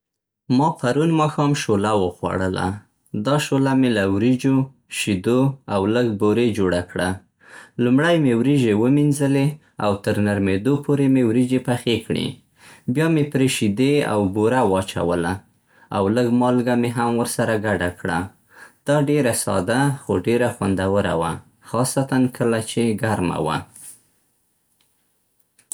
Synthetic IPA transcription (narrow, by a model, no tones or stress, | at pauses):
mɑpaɾunmɑxɑmʃolawəxwa̰ɽəla̰ | d̪ɑʃolamelawɾid͡ʒo | ʃid̪oawləɡboɾed͡ʒoɽakɽa | lumɽajmewɾiʒewəminzəle | a̰wt̪əɾnaɾmed̪opʰoɾemewɾid͡ʒepaxekɽḛ | bjɑmepɾeʃid̪ea̰wboɾawɑt͡ʃa̰wəla | awləɡmɑlɡameɦamwəɾsaɾaɡaɖakɽa | d̪̥ɑɖeɾasɑ̰d̪axoɖeɾaxwand̪awəɾa̰wa̰ | xɑsat̪ankʰəlat͡ʃeɡaɾma̰wa̰